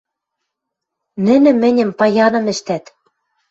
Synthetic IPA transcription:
nɘ̆nɘ̆mɘ̆nʲɘ̆mpɑjɑnɤ̆mɘ̆ʃt̪æt̪

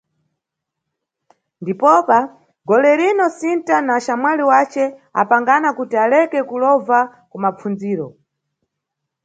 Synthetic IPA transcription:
ndipɔpa | ɡɔlɛɾinɔsintanaʃamwaliwat͡ʃɛa̰paŋɡanakutialɛkɛkulɔva | kumap͡fund͡ziːɾɔ

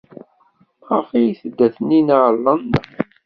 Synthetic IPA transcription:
ʁəfijiθəd̪ːæθənːinʁlːənːə

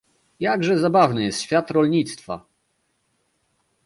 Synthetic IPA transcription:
jaɡʐɛzabavnɘjɛst̪ɕfʲjat̪ɾɔlɲit̪st̪fa̰

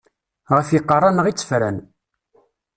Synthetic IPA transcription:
ʁəfjiqːərˤːɑnəʁit͡sːə̥fɾæ̰n

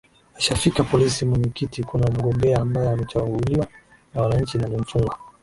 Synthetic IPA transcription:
aʃafikapɔlisimwɛɲɛkitikunam̩ɡɔmbɛaːmbaɔamɛt͡ʃawɔhulima | nawanaɲ̩t͡ʃinaliɱ̩fuŋɡwa

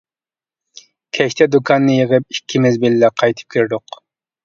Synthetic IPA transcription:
kʲʰɛʃt̪ʰɛd̪ukʰɑnːɨjəʁəp̚ikʲʰːimɪzbɪlːɛqʰɑjt̪ʰɨ̥p̚kʲʰyɾd̪ʊq

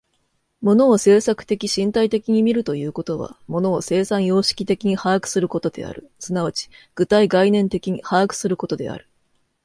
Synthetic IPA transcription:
mo̞no̞ːse̞ːsakɯ̟̥t̪e̞kʲiɕĩnt̪ait̪e̞kʲiɲ̟imʲiɾɯ̟t̪o̞jɯ̟ːko̞t̪oβa̰mo̞no̞ːse̞ːsãɰ̃jo̞ːɕi̥kʲi̥t̪e̞kʲiɲ̟ihaːkɯ̟̥sɨɾɯ̟ko̞t̪o̞d̪e̞̰a̰ɾɯ̟sɨnaβat͡ɕi̥ɡ̥ɯ̟t̪aiɡainẽ̞nt̪e̞kʲiɲ̟ihaːkɯ̟̥sɨɾɯ̟ko̞t̪o̞d̪e̞̰a̰ɾɯ̟

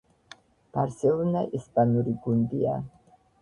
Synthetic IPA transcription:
b̥aɾsɛlunaʔisbanuɾiɡundia̰

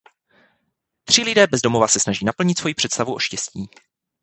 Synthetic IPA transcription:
t̪r̝̥ɪlɪdɛːbɛzdo̞movasɛsnaʒiːnapl̩ɲɪt̪svo̞jipr̝̥ɛt̪st̪avuʔo̞ʃcɛsciː

